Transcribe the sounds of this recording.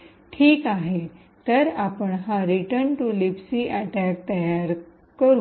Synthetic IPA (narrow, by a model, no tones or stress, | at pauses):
ʈʰiːkaɦe | t̪əɾapəɳɦãɾiʈəɾɳʈulipsiʔaʈæk̚t̪əjaɾ | kəɾu